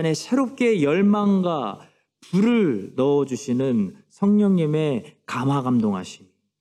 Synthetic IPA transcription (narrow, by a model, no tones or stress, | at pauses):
ne̞sʰe̞ɾop̚k͈e̞jʌɭmaŋɡa | puɾɯɭnʌːd͡ʑuɕʰinɯnsʰʌŋɲʌŋɲime̞kamaɡamdoŋɦa̰ɕʰi